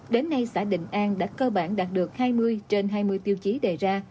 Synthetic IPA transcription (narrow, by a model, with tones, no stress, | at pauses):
ɗe˨˦nːa˧jsa̰ː˧˩ɗḭ̈˧˨ŋ̟ʔaː˧nɗa̰ː˧˥kəː˧ɓaː˧˩nɗaː˨˩t̚ɗɨ˨˩ək̚haː˧jmɨ˧əjt͡ɕe˧nɦaː˧jmɨ˧əjt̪i˧wt͡ɕi˨˦ɗe˧˨˩zaː˧